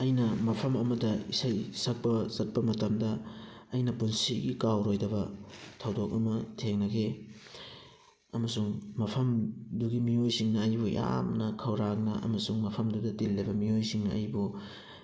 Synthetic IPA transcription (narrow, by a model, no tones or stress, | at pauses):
ɐjnɐmɐpʰɐmɐmɐdɐisajsɐk̚pɐzɐt̚pɐmɐtɐmdɐː | jnɐpunsiɡikawɾojdɐβɐtʰɐwdok̚ɐmɐtʰeŋnɐɡe | ɐmɐsuŋmɐpʰɐmduɡimijojsiŋnɐːjbuj̰a̰mnɐkʰɐwɾaŋnɐʔɐ̰mɐsuŋmɐpʰɐmdudɐtilːebɐmiojsiŋnɐɐ̰jbu